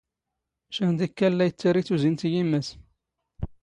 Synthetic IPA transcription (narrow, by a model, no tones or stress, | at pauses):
ʃænd̪ikːælːæjət͡sːaɾiθuzint̪jimːæs